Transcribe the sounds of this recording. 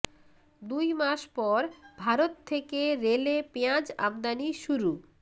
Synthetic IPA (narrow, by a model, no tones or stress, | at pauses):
d̪ujmaʃpɔɾbʱaɾot̪ʰːekeɾelepeãd͡ʑa̰bd̪aniʃuɾu